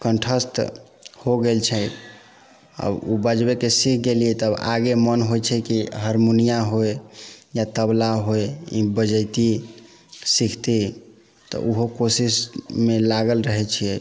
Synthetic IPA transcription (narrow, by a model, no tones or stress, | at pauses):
kənʈʰəst̪ | hoɡelt͡ʃʰɛ | a̰bubəd͡ʒbekesikʰɡeliɛt̪əba̰ɡemənɦojt͡ʃʰɛkiɦəɾmonijaɦojjat̪əblaɦojibəd͡ʒəjt̪i | sikʰt̪e | t̪ɔ̰ʔuɦokosismelaɡəlɾəɦɛt͡ʃʰiɛ